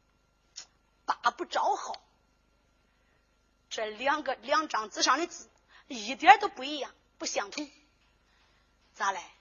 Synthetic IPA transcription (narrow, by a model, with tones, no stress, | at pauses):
pa˨˩pu˥˩ʈ͡ʂɑ˧˥ʊxɑ˨˩˦ʊ | ʈ͡ʂə˥˩ljɑ˥˩ŋɡə˧ljɑ˥˩ŋʈ͡ʂɑ˨˩ŋt͡sɹ̩˧˥ʂɑ˨˩˥ŋni˥t͡sɹ̩˨˩˦ | i˨˩t̪jɛ˧˥t̪o˥ʊpu˧˥i˥˩jɑ˨˩ŋ | pu˥˩ɕjɑ˨˩ŋt̪ʰʊ˥ŋ | t͡sa˧˥la˧˥ɪ